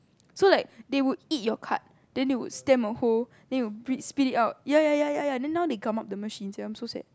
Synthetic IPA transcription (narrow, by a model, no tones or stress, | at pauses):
solaɪk̚dewudit̚jɔkʰa̰t̚ | d̥ɛ̃newṵdstɛ̃məhol | dɛ̃njwubɹĩspiditaʊt̚jajajajajãdɛ̃nːawdeɡãmap̚dəməʃĩnsɛãɪ̃msosɛ̰t̚